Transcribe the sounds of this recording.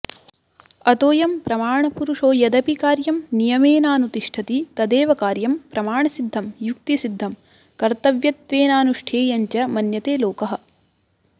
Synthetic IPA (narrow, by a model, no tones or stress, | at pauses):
ɐt̪oːjɐmpɾɐmaːɳɐpuɾuʂoːjɐd̪ɐpikaːɾjɐmnijɐmeːnaːnut̪iʂʈʰɐt̪it̪ɐd̪eːʋɐkaːɾjɐmpɾɐmaːɳɐsid̪ʱːɐmjuk̚t̪isid̪ʱːɐm | kɐɾt̪ɐʋjɐt̪ʋeːnaːnuʂʈʰeːjɐɲt͡ʃɐmɐnjɐt̪eːloːkɐɦɐ̆